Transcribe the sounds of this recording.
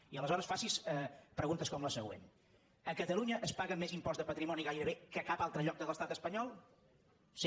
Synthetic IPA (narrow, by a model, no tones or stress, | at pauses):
iələzɔɾəsfasisɛpɾəɣunt̪əskɔmləsəɣwḛn | əkət̪əluɲəʔːspaɣəmːezimpɔzd̪əpət̪ɾimɔniɣajɾəβekəkapalˠt̪ɾəʎɔk̚d̪ələst̪at̪əspəɲɔlˠ | si